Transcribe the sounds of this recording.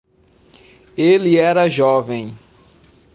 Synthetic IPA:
elɪɛɾɐʒɔvẽj̃

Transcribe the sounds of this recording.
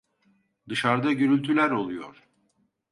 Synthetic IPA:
d̪ɯʃaɾd̪aɟøɾylʲt̪ʰylʲæɾo̞lˠujo̰ɾ̥

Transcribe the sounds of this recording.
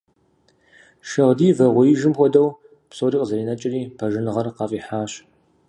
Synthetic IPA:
ʃɐʁdiːvɐʁʷʊɪʒɪmxʷɔdɐw | psoːriːqʼəzɐriːnɐt͡ʃʼɪriːpʰɐʒɪnɨʁɐrqɑːfʼiːħaːɕ

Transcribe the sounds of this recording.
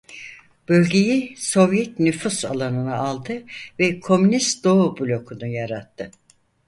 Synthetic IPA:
b̥ølʲɟe̞jiso̞vjɛt̪nyfusalˠanɯnaalˠd̪ɯvɛkʰo̞mynist̪d̪o̞ubulʲo̞kʰunujaɾat̪ʰːɯ

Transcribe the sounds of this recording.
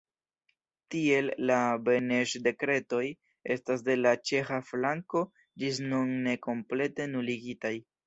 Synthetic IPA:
tie̞lːabe̞neʃde̞kɾe̞to̞j | e̞stas̬de̞lat͡ʃe̞xaflaŋko̞ | d͡ʒis̬nunːe̞ko̞mple̞te̞nuliɡitaj

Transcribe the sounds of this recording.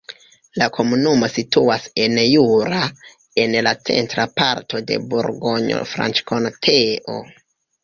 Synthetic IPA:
lakʰo̞munumo̞situase̞njuɾa | e̞nlat͡se̞̰ntɾapa̰ɾtʰo̞de̞̰buɾɡo̞ɲo̰fɾa̰nt͡ʃkʰontʰeʔo̞̰

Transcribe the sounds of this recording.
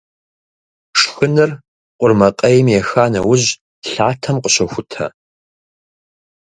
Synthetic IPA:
ʂxɨnɨr | qʷʊrmɐqʼɐjɛmjɛxaːnɐ̰wʊʑ | ɬaːtʰɐmqəɕɐxʷʊtʰɐ̰

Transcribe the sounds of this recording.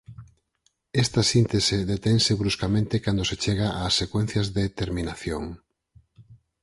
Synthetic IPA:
ɛst̪ɐsint̪eseðet̪eŋseβɾuskamẽnt̪ekand̪oset͡ʃeɣ̞aʔaːsːekwen̟θjɐzðet̪eɾminaθjoŋ

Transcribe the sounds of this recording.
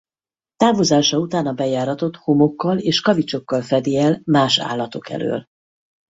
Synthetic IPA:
t̪aːvozaːʃɒut̪aːnɒbɛjaːɾɒt̪o̞t̪homo̞kːɒleːʃkɒvit͡ʃo̞kːɒlfɛd̪eɛlmaːʃa̰ːlːɒt̪o̞kɛ̰lø̰ːl

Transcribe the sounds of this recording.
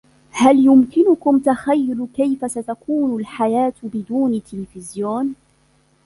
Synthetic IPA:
haljʊmkɪnʊkʊmt̪axajːʊlkajfasat̪akuːnʊlħajaːt̪bɪd̪uːnt̪ɪlɪfɪzjoːn

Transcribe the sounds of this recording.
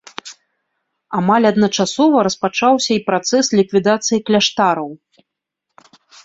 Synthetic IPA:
amalʲɐd̪nɐt͡ʂasɔvɐɾɐspat͡ʂawsʲɐipɾat̪sɛslʲikvʲid̪at̪sɨjiklʲaʂt̪aɾɐw

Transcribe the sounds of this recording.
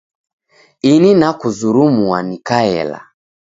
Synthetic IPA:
ininakuzuɾumuanikaɛ̰la̰

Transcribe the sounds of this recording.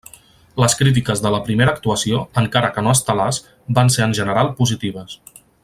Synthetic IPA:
ləskɾit̪̬ikəzðələpɾimeɾəːkt̪uəsioəŋkaɾəkənoəst̪əlas | banseənʲʒənəɾalˠpuzit̪iβ̞əs

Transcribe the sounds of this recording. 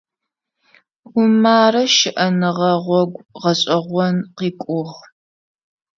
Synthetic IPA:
ʊmaːɾɐʃɪʔɐnɨʁɐʁʷɔɡʷʁɐɕʼɐʁʷɔnqiːkʷʼʊʁ

